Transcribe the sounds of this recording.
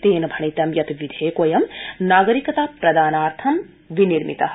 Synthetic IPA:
t̪eːnɐbʱɐɳit̪ɐmjɐt̪ʋid̪ʱeːkojɐmnaːɡɐɾikɐt̪aːpɾɐd̪aːnaːɾt̪ʰɐm | ʋiniɾmḭt̪ɐɐ

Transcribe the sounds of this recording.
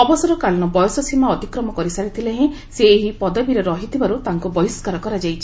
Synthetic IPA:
ɔbɔsɔɾɔkalɔñɔbɔjɔsɔsimaɔt̪ikɾɔmɔkɔɾisaɾit̪ʰileɦẽ | seːɦipɔd̪ɔbiɾeɾɔɦit̪ʰibaɾut̪aŋkubɔiskaɾɔkɔɾad͡ʒajt͡ʃʰi

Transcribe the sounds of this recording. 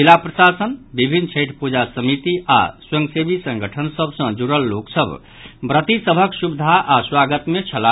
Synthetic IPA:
ilapɾəsasənbibʱinːt͡ʃʰeʈʰpud͡ʒasəmit̪iʔa̰swə̃ŋɡsebisə̃ŋɡʱəʈʰənsəbʱsə̃d͡ʒuɾəlːoksəb | bɾət̪isəbʱəksubd̪ʱaʔaswaɡət̪met͡ʃʰəla

